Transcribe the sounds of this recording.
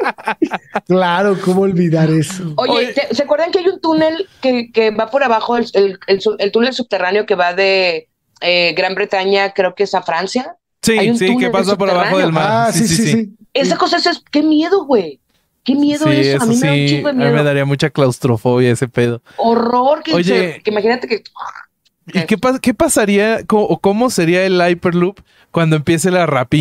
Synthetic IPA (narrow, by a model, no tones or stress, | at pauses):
klaɾokomooːlβiðaɾesooʝet̪eseakweɾðaŋkeajunt̪une̞lkekeβapoɾaβaxo̞elelelsuelt̪unels̬ub̚t̪e̞raneo̞ke̞βaðe̞ | eɣɾambɾe̞t̪aɲakɾe̞okeesafɾansja | siajunsiunkepas̬ap̬oɾaβaxoðelmaɾasiisissiiesakosaesoeske̞mje̞ðo̞ɣwej | kemjeðosesamoisieamimeðaɾiamut͡ʃaklawst̪ɾo̞fo̞βjae̞se̞pe̞ð̞o̞ | oroɾkeoʝeeimaxinat̪ekea | ikepaske̞pasaɾiakoʔoko̞mo̞se̞ɾiaelajpeɾlup | kwand̪oempje̞s̬e̞larapi